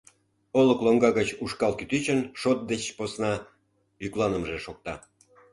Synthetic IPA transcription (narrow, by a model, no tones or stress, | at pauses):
oləkloŋɡɑɣət͡ɕuʃkɑlkyt̪yt͡ɕənʃot̪̚d̪et͡ɕposnɑ | yklɑnəmʒeʃok̚t̪ɑ